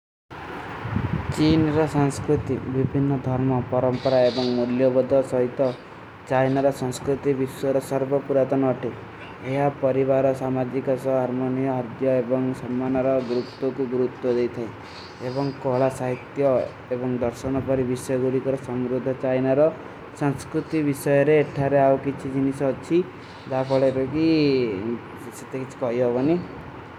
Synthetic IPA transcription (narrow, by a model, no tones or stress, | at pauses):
t͡ʃinɾɔsaŋskɾut̪ibibʱinːɔd̪ʱɔɾmɔpɔɾɔmpɔɾaebɔŋmuljɔbɔd̪ʱɔsɔɦit̪ɔ | t͡ʃajnaɾɔsɔŋskɾut̪ibisuɔɾɔsɔɾbʱɔpuɾat̪ɔnɔːʈi | eɦapɔɾibaɾɔsamad͡ʒikɔsɔɦaɾmonijɔɦaɾd̪jɔebɔŋsɔmːanɔɾɔɡɾut̪ːɔkuɡuɾut̪wɔd̪ejt̪ʰaĩ | ebɔŋkɔɦɭasaɦit̪jɔ | ebɔŋd̪ɔɾsɔnɔpɔɾibisɔjɔɡuɽikɔɾɔsɔmɾud̪ʱɔt͡ʃajnaɾɔ | sanskɾut̪ibisɔjɔɾeːʈʰaɾeawkit͡ʃʰid͡ʒinisɔt͡ʃʰi | d̪akʰɔɭeɾɔki | set̪ekit͡ʃʰi̥kɔɦiɦɔbɔni